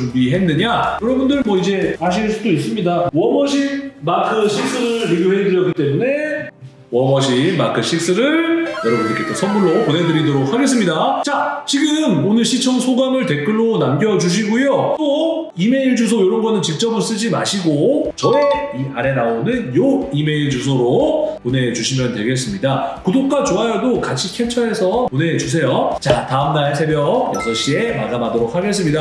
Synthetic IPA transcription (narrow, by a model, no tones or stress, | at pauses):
ubiɦe̞nːɯɲajʌɾʌbundɯɭmwʌid͡ʑe̞aɕ̬ʰiɭs͈udois̬͈ɯmɲidawʌmʌɕʰimakʰɯɕʰik̚s͈ɯɾɯɭɾiɡjoɦedɯɾjʌk͈it͈e̞mune̞ | wʌmʌɕʰima̰kʰɯɕ͈ʰik̚s͈ɯɾɯɭjʌɾʌbundɯɭkʰetʰosʰʌnmuɭːoponɦe̞dɯɾidoɾok̚haɡe̞s̬͈ɯmɲidat͡ɕat͡ɕiɡɯmonɯɭɕʰit͡ɕʰʌŋsʰoɡamɯɭte̞k͈ɯɭːonamɡjʌd͡ʑuɕ̬ʰiɡujot͈o | ime̞iɭd͡ʑusʰojoɾʌnɡʌnɯnt͡ɕik̚t͡ɕ͈ʌbɯɭs͈ɯd͡ʑima̰ɕʰiɡot͡ɕʌeiaɾe̞naonɯnjoime̞iɭd͡ʑus̬ʰoɾopone̞d͡ʑuɕʰimjʌntwe̞ɡe̞s͈ɯmɲidakɯdok̚k͈at͡ɕoajʌdokat͡ɕʰikʰet͡ɕʰʌe̞sʰʌpone̞d͡ʑus̬ʰe̞jot͡ɕataɯmnaesʰe̞bjʌkjʌsʰʌɕ͈ie̞maɡamadoɾok̚ʰhaɡe̞s͈ɯmɲida